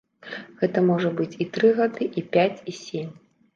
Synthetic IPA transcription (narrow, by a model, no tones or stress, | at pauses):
ɣɛt̪ɐmɔʐɐbɨt͡sʲit̪ɾɨɣad̪ɨʔipʲat͡sʲisʲemʲ